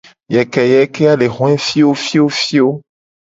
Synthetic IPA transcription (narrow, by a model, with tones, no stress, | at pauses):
jɛ˨kɛ˨jɛ˨˦ke˦a˦le˨xɔ̃˦ɛ˦fi˦wo˦fi˦wo˦fi˦wo˦